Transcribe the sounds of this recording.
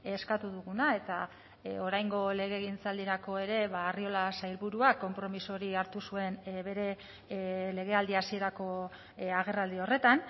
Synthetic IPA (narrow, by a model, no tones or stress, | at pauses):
eskat̪uðuɣunae̞t̪a | o̞ɾajŋɡo̞le̞ɣ̞e̞ɣint͡sald̪iɾako̞e̞ɾe̞βaːrio̞lasajlβuɾuakːo̞mpɾo̞misoɾiaɾt̪usue̞nβe̞ɾe̞ | le̞ɣ̞e̞ald̪iasie̞ɾako̞ | aɣe̞rald̪io̞re̞t̪an